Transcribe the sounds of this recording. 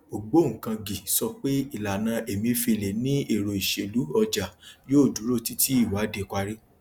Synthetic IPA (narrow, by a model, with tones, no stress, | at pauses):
o˨ɡ͡bo˨˦ŋ̩˨kã˧ɡi˨sɔ˧k͡pe˦i˨la˨nã˧ʔe˨mĩ˧fi˧˨le˨nĩ˦e˦˨ɾo˨i˨ʃe˨lu˨˦ɔ˧d͡ʒa˨joː˦˨du˨˦ɾo˦˨ti˦ti˦i˦˨wa˨˦de˧˨ka˧ɾi˦